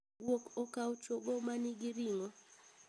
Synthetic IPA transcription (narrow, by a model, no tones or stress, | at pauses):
wokɔkaʊt͡ʃoɡomaniɡiɾiŋɔ